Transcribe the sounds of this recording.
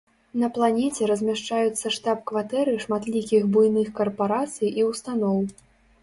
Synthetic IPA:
nɐplˠanʲɛt͡sʲɛɾɐzʲmʲaʂt͡ʂajut̪sːɐʂt̪apkvat̪ɛɾɨʂmat̪lʲikʲixbujnɨxkɐrpaɾat̪sɨjʔiwst̪anɔw

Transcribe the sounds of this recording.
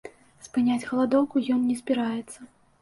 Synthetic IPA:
spɨnʲad͡zʲɣɐlˠad̪ɔwkujɔnnʲɛzʲbʲiɾajɛt̪sːɐ

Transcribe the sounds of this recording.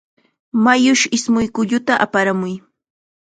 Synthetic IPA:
majʊʃɪsmʊjkʊʎʊt̪aʔa̰paɾamʊj

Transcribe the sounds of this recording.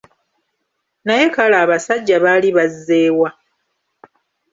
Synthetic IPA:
naje̞kalaːβasaɟːaβaːliβazːe̞ːwa

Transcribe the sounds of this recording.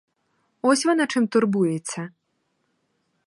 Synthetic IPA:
vɔsʲvanat͡ʂɨmt̪urbujɛt͡sʲːɐ

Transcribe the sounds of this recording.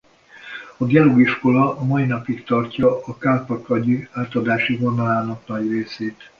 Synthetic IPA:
ɒd̪aluːiʃko̞lɒɒmɒinɒpikt̪ɒrcɒɒkaːpɒkɒɟyaːt̪ɒd̪aːʃivo̞nɒlaːnɒknɒɟreːseːt̪

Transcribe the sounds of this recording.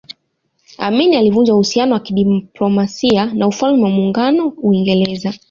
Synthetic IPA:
a̰minialivund͡ʒauhusianɔwakiɗiplɔmasianaufalmɛwamuŋɡanɔuiŋɡɛlɛza

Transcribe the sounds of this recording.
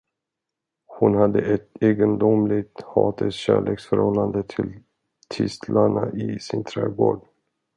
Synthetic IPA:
hʊnhad̪ːəɛt̪eːɡənd̪ʊmlɪɡt̪hɑːt̪ʰəsɕæːɭeːksfœɾhɔlːand̪ət̪ʰɪl | t̪ʰɪst̪ʰlaɳaʔɪsɪnt̪ʰɾeːɡoːɖ

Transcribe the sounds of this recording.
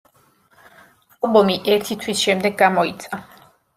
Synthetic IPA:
alˠbɔmiʔɛɾt̪ʰit̪ʰwisʃɛmd̪ɛɡːamɔit̪sʰʼa

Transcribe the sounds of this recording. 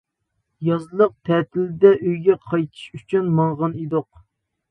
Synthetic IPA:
jɑzlˠəq̚t̪ʰɛt̪ʰɪld̪ɛʔøjɡʲɛqʰɑjt̪ʰɨ̥ʃyt͡ʃʰynmɑɴʁɑnid̪oq̚

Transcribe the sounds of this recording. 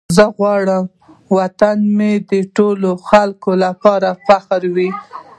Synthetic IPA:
zəɣwɑɽəm | wat̪anmed̪əʈoloxalkolapɑɾafaxaɾwi

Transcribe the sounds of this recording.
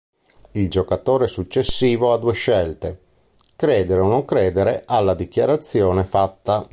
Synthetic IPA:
ild͡ʒokat̪oːɾesut͡ʃːesːiːvoad̪uːeʃɛlt̪e | kɾɛːd̪eɾeonoŋkɾɛːd̪eɾeʔalːad̪ikjaɾat̪sːjoːnefat̪ːa

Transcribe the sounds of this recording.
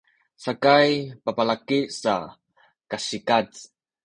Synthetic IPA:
sakajpapalakisa | kasikat͡s

